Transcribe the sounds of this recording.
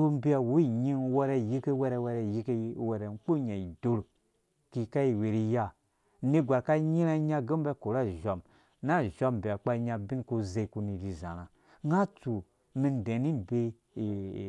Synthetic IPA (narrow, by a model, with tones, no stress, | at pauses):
u˦m̩˦bi˦a˨wu˨˦i˨ɲi˦n˦wo˦ɾɛ˧˨ji˦ke˦wɛ˦ɾɛ˧˨wɛ˧˦ɾɛ˨ji˦ke˦wɛ˨ɾɛ˨˦k͡po˦ɲa˨i˨do˦ɾo˨ | ki˨ka˦i˨we˨ɾi˧ja˦˨˦ | ni˦ɡʷa˨ɾka˦ɲi˦ɾa˦ɲa˦ɡə˦m˦ba˦ko˨ɾa˦˨ʒɔ˨m | na˦˨ʒo˦m˨bi˨a˨k͡pa˦ɲa˧bi˦nko˦ze˦˧˨ku˧ni˨ɾi˨zã̰˨ɾa˨ | ŋɡa˦tu˨ | mi˧n˨dẽ˨ni˦˨be˦˨